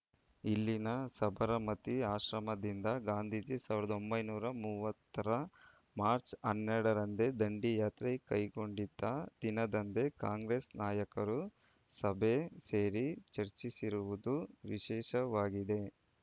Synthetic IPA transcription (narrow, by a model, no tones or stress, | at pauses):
ilːinɐsɐbʱɐɾɐmɐt̪iaːʃɾɐmɐd̪ind̪ɐɡaːnd̪ʱiːd͡ʒisaːʋiɾɐd̪o̞mbɐjnuːɾɐmuʋɐt̪ːɐɾɐ | maːɾt͡ʃɐnːɛɽɐɾɐnd̪e̞d̪ɐɳɖijaːt̪ɾekɐjɡo̞ɳɖid̪ːɐd̪inɐd̪ɐnd̪e̞kaːŋɡɾeːsnaːjɐkɐɾu | sɐbʱeseːɾit͡ʃɐɾt͡ʃisiɾuʋud̪uʋiʃɛːʃɐʋaːɡid̪e̞